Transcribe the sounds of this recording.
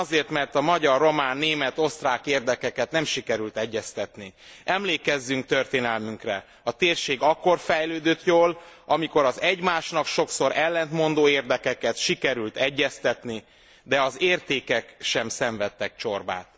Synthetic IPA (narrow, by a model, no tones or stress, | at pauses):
ɒzeːrt̪mɛrt̪ɒmɒɟɒrːo̞maːnːeːmɛt̪o̞st̪raːkeːrd̪ɛkɛkɛt̪nɛmʃikɛɾylt̪ɛɟːɛst̪ɛt̪niʔɛmleːkɛzːyŋk̚t̪ørt̪eːnɛlmyŋkrɛ | ɒt̪eːrʃeːɡɒkːo̞rfɛjløːd̪øt̪joːlɒmiko̞ɾɒzɛɟmaːʃnɒkʃo̞kso̞ɾɛlːɛnt̪mo̞nd̪oːeːrd̪ɛkɛkɛt̪ʃikɛɾylt̪ɛɟːɛst̪ɛt̪ni | d̪ɛɒzeːrt̪eːkɛkʃɛmsɛɱvɛt̪ːɛk̚t͡ʃo̞rba̰ːt̪